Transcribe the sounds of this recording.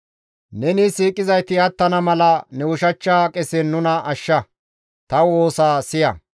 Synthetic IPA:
nɛnɪsiːkʼɪzɐjt̪ɪɐt̪ːɐnɐmɐlɐnɛʊʃɐt͡ʃːaːkʼɛsɛnːʊnɐʔɐʃːɐ | t̪ɐwo̞ːsaːsɪjɐ̰

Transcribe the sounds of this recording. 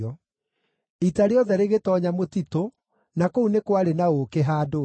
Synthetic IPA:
ɔ | itaɾeɔðɛɾeɣetɔɲamotito | nakounekwaɾenaokeɦaːdo

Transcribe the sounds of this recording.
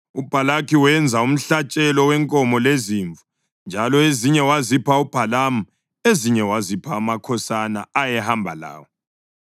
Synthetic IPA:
ub̥ʱalakiwɛnd͡zʱaum̩ɬat͡ʃʼɛlɔwɛŋkʼɔmɔleziːɱvu | nd͡ʒʱalɔeziɲɛwazipʰaub̥ʱalam̩ | eziɲɛwazipʰamakʰɔsana̰ajɛhambʱala̰ːwɔ

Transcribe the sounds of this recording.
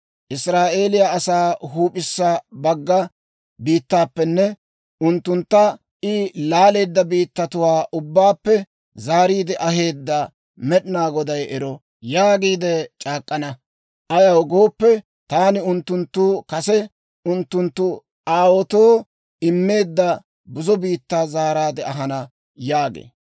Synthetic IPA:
ʔɪsɾaːʔe̞ːlɪjaɐsaːɦuːpʼɪsːabɐɡːɐ | biːt̪ːaːpːɛnːɛ | ʔʊnt̪ːʊnt̪ːɐ | ʔɪlaːle̞ːd̪ːɐbiːt̪ːɐt̪ʊwaːʔʊbːaːpːɛ | zaːɾiːd̪ɪʔɐɦe̞ːd̪ːɐ | mɛɗɪnaːɡɔd̪ɐjʔɛɾɔ | jaːɡiːd̪ɛt͡ʃʼaːkʼːɐnɐ | ʔɐjɐwɡo̞ːpːɛ | t̪aːnɪʊnt̪ːʊnt̪ːuːkɐsɛ | ʔʊnt̪ːʊnt̪ːʊ | ʔaːwɔt̪oː | ɪmːe̞ːd̪ːɐ | bʊzɔbiːt̪ːaːzaːɾaːd̪ɛɐɦɐnɐ | jaːɡḛː

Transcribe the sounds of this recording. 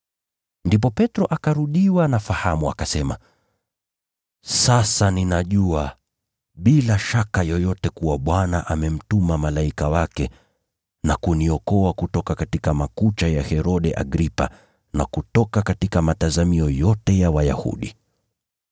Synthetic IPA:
ndip̬ɔpɛtɾɔʔakaɾuɗiwanafahamua̰kasɛma̰ | sasaninaʄua | ɓilaʃakajɔjɔtɛkuwaɓwanaʔamɛm̩tumamalaikawakɛ | nakuniɔkɔakutɔkakatikamakut͡ʃajahɛɾɔɗɛʔa̰ɡɾipa̰ | nakutɔkakatikamatazamiɔjɔtɛjawaja̰hṵɗi

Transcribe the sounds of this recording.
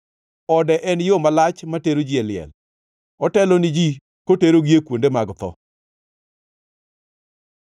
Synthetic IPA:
ɔdɛʔɛnjomalat͡ʃmateɾod͡ʒialɪɛ̰l | ɔtɛlɔnɪd͡ʒi | koteɾoɡjekwondemaɡt̪ɔ̰

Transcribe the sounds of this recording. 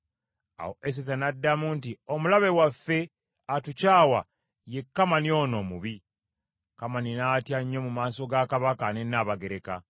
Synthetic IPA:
a̰ho̞ʔes̬esanadːamuntiomulaβe̞wafːe̞ | atucaːwa̰ | je̞kːamanio̞no̞muβi | kamaninaːtjaɲːo̞mumaːso̞ɡakaβakanenːaβaɡe̞ɾe̞ka

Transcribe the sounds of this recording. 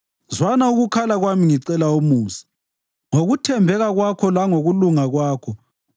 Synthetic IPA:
zwanauɣukʰalaɣwamiŋiǀɛlaumuːsi̥ | ŋoɣutʰɛmbʱɛɣaɣwakʰɔlaŋoɣuluŋaɣwaːkʰɔ

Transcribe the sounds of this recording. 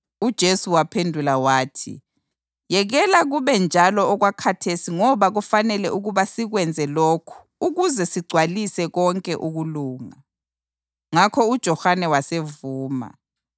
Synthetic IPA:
ud̥ʒ̥ʱesuwapʰendʱulawaːtʰḭ | jɛɣɛlaɣuβɛnd͡ʒʱalɔːɣwakʰatʰesiŋɔβaɣufanɛlɛʔuɣuβasiɣwɛnd͡zʱɛlokʰu̥ | uɣuzɛsiɡ͡ǀʱwalisɛɣɔŋkʼɛʔuɣuluːŋa | ŋakʰɔud̥ʒ̥ʱɔhanɛwasevuːma̰

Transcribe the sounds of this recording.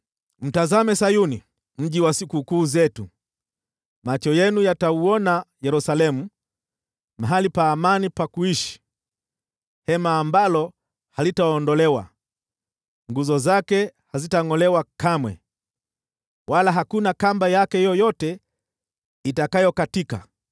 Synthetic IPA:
m̩tazamɛsajuni | m̩ʄiwasikukuːzɛtu | mat͡ʃɔjɛnujatauɔnajɛɾusalɛmu | maɦalipaːmanipakuiʃi̥ | hɛmaːmbalɔ | halitaɔndɔlɛwa̰ | ŋɡuzɔzakɛhazitaŋɔlɛwakamwɛ̰ | wʔalaɦakunakambajakɛjɔjɔtɛ | itakajɔkatika̰

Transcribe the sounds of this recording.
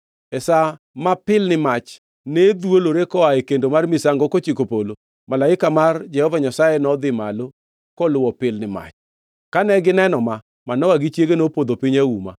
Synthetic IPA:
ɛsa | mapɪlnɪmat͡ʃ | ned̪woloɾekɔaekendomarmisaŋɡɔkot͡ʃikopolo | malaɪkamard͡ʒɛhɔvaɲasajɛnɔd̪ɪmalo | kɔlʊwɔpɪlnɪma̰t͡ʃ | kanɛɡɪnɛnɔma | manɔwaɡɪt͡ʃjeɡenopod̪opiɲauma̰

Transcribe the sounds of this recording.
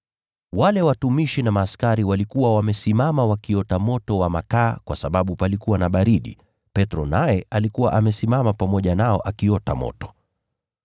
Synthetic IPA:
walɛwatumiʃinamaːskaɾiwalikuwawamɛsimamawakiɔtamɔtɔwamakaːkwasaɓaɓupalikuwanaɓaɾiɗḭ | pɛtɾɔnajɛalikuwaʔamɛsimamapamɔʄanaɔʔakiɔta̰mɔ̰tɔ̥

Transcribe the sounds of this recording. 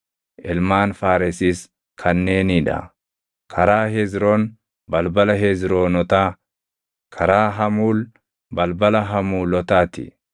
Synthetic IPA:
ʔɪlmaːnfaːɾɪsiːs | kʰɐnːe̞ːnɪᶑɐ̰ | kʰɐɾaːɦeːzɾoːn | bɐlbɐlɐɦeːzɾoːnɔt̪aː | kʰɐɾaːɦɐmuːl | bɐlbɐlɐɦɐmuːlɔt̪aːt̪ɪ̰

